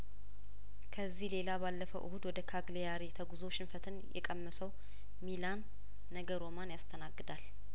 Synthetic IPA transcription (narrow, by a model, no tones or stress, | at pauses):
kʰəzːihle̞labalːəfəwʔɨhud̪wɔd̪əkʰaɡlejaɾet̪ʰəɡuzo̞ʃɪnfət̪ʰɨnjɛ̰kʼəmːəsəw | milanː | əɡəɾo̞manjast̪ʰənaɡːɨd̪al